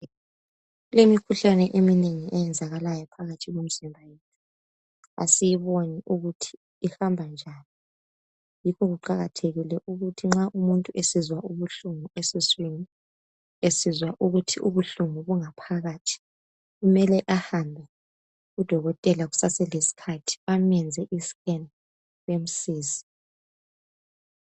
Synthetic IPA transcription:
lemikʰuɬanɛʔemineŋiʔɛjɛnd͡zʱaɣalajɔpʰaɣatʰiɣom̩zimbʱajetʰi | a̰sijiβoniʔuɣutʰi̥ː | hambʱand͡ʒʱaːni | jikʰɔɣuǃaɣatʰeɣilɛʔuɣutʰiŋ͡ǁaʔumuntʼuʔesizwaʔuβuɬumuesiswini | esizwaʔuɣutʰiʔuβuɬumuβuŋapʰaɣatʰi̥ | ɣumɛlɛʔahambʱɛ | ud̥ʱɔɣɔtʼɛlaɣu̥sasɛlesi̥kʰatʰi̥amɛnd͡zʱɛʔiskʼɛn | βem̩siːzi̥

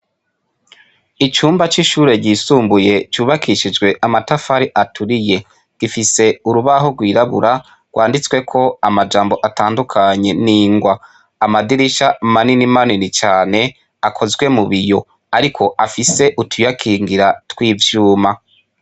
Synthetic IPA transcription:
it͡ʃuːmbat͡ʃiʃuːɾe̞ɟiːsuːmbuje̞t͡ʃuːβakʰiʃid͡ʒɡwe̞ʔamatafaɾiʔatʰuɾije̞ | ɡ̥ifise̞uɾuβaɦoɡwiːɾaβṵɾa | ɡ̥wʔaːndit͡swe̞kʰo̞amad͡ʒaːmbo̞ʔataːndukʰaɲe̞niːŋɡwaː | madiɾiʃamaninimaninit͡ʃaːne̞ | akʰo̞zɡwe̞muβijo̞ | aɾikʰo̞ʔafiseʔutʰujakʰiːŋɡiɾatwiːvjuːma

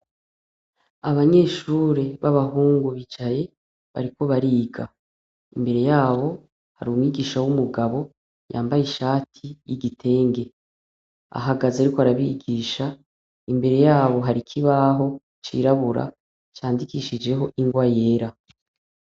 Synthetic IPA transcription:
aβaɲe̞ːʃuːɾe̞βaβaɦuːŋɡuβid͡ʒaje̞ | βa̰ɾiko̞βaɾiːɡa̰ | imbe̞ɾe̞jaːβo̞ | ha̰ɾuumŋiɡiːʃawumuɡaβo̞ | ja̰ːmbajiʃaːtʰijiɡitʰe̞ːŋɡe̞ | a̰ɦaɡazaɾikoaɾaβiɡiːʃa | imbe̞ɾe̞jaːβo̞ɦaɾikʰiβaɦo̞ | t͡ʃḭːɾaβuɾa̰ | t͡ʃaːndikiːʃid͡ʒe̞ɦo̞ʔiŋɡwaje̞ːɾa

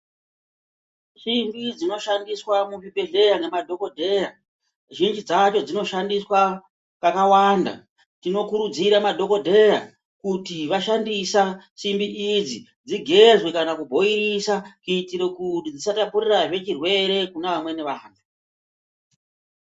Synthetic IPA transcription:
ʃimbid͡zino̞ʃandiswamuvibʱe̞ɮe̞jaŋɡe̞madʱo̞ko̞dʱe̞ja | ʒind͡ʒid͡zat͡ʃo̞d͡zino̞ʃandiswa | kakawanda̰ | tino̞kuɾud͡ziɾamadʱo̞ko̞dʱe̞ja | kutiʋaʃandisa | simbiʔid͡zi | d͡ziɡʱe̞zwekanakubʱo̞iɾisakuitiɾekutid͡zisatapuriraʐe̞t͡ʃirwe̞ɾe̞kunaʋamwe̞neʋaːna

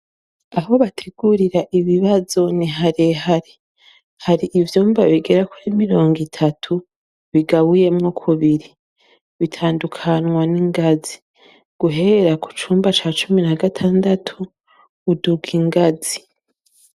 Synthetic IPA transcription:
aɦo̞βatʰeɡuɾiɾaʔiβiβazo̞niɦaɾeɦaɾe | haɾiʔivjuːmbaβiɡe̞ɾakuɾimiɾo̞ːŋɡitʰatʰu | βiɡaβuje̞mŋokʰuβiɾi | βitʰaːndukʰanŋwaniŋɡazi̥ | ɡ̥uɦe̞ɾaku̥t͡ʃuːmbat͡ʃaːt͡ʃuminaɡatʰaːndatʰuː | duɡiŋɡazi

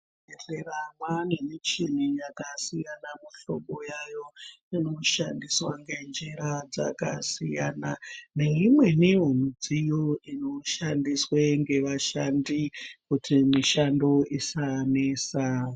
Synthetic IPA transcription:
eɬeramwane̞mit͡ʃinijakasijanamuɬo̰ɓo̞jajo̞ | ino̞ʃandiswaŋɡe̞nd͡ʒiɾad͡za̰ka̰sijaːnane̞imwe̞niɦun̤ud͡zijoino̞ʃandisweŋɡe̞ʋaʃandikutʰimiʃando̞isaneːsa

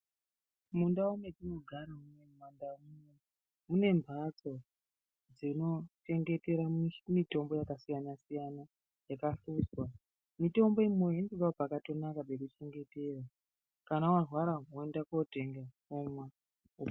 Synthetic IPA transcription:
mundaumetino̞ɡʱaɾamunemandamune | mune̞mbʱat͡so̞ | d͡zino̞t͡ʃe̞ŋɡe̞te̞ɾamito̞mbo̞jakasijanasijana | jakaɬuswa | mito̞mbo̞imoendibapakato̞nakabekut͡ʃe̞ŋɡe̞te̞ra | kanawarwaɾaoendakote̞ŋɡa | omwa | u

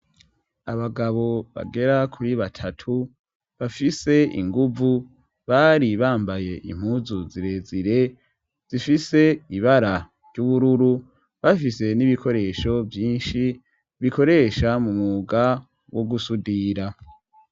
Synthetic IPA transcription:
aβaɡaβo̞βa̰ɡe̞ɾakʰuɾiβatʰatʰu | βafise̞ḭŋɡuvu | βaːɾiβaːmbaje̞ʔḭm̥huzuziɾe̞ziɾe̞ | z̥ifise̞iβaɾa | ɾɟuβuɾuɾu | βafise̞niβikʰo̞ɾe̞ʃo̞vjiːnʃi | βiko̞ɾe̞ʃamumuɡa | woɡusudiɾa

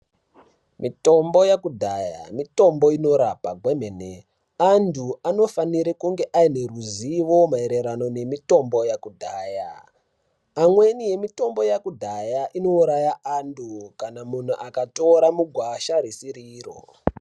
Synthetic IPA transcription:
mito̞mbo̞jakudʱaja̰mito̞mbo̞ino̞ɾapaɡʱwemene | andʱuano̞faniɾikuŋɡe̞ʔaine̞ruziʋo̞maeɾe̞ɾano̞ne̞mito̞mbo̞jakudʱaːja̰ | amwe̞nije̞mito̞mbo̞jakudʱajaʔino̞uɾajaʔandukanamun̤uʔakato̞ɾamuɡʱwaʃaɾisiɾiːro̰

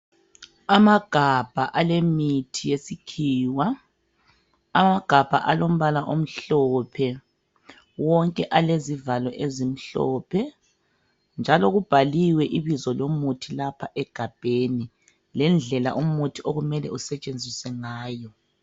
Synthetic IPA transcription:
amaɡ̥ʱab̥ʱaʔalemitʰijesikʰiːwa | amaɡ̥ʱab̥ʱa̰ʔalom̩βalaʔom̩ɬɔːpʰɛ | wɔŋkʼɛʔalezivalɔʔezim̩ɬɔ̰ːpʰɛ | nd͡ʒʱalɔɣub̥ʱaliwɛʔiβizɔlomutʰilapʰaʔɛɡ̥ʱab̥ʱeni | lɛnd͡ɮʱɛla̰ʔum̩utʰioɣumɛlɛ̰usɛt͡ʃʼend͡zʱiswɛŋaːjɔ

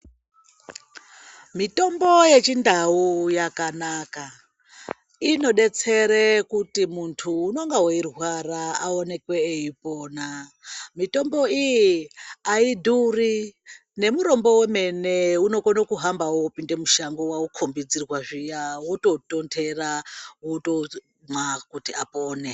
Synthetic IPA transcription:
mito̞mbo̞je̞t͡ʃindaujakanaka | ino̞ɗe̞t͡se̞ɾekutimuntʰuːno̞ŋɡawoirwaraaone̞kwe̞ːipo̞ːnamito̞mbo̞ijiaiduri | ne̞muɾo̞mbo̞weme̞ne̞uno̞konokuɦambawoupinde̞muʃaŋɡowaukʰombid͡zirwaʐijawoto̞tontʰe̞rawoto | makutiapoːne

